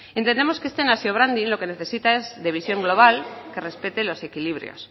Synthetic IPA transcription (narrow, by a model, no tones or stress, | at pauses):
ent̪end̪emo̞skee̞st̪enasjoβɾand̪inlo̞ke̞ne̞θe̞sit̪ae̞zðe̞β̞isjo̞ŋɡlo̞β̞alke̞re̞spe̞t̪e̞lo̞se̞kiliβ̞ɾjo̰s